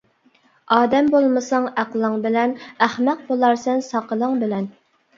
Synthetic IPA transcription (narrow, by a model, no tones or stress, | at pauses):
ɑːd̪ɛmbolˠmɨsɑŋæqlˠəŋbɪlɛnæχmæq̚bolˠɑɾsɛnsɑqəlˠəŋbɪlɛn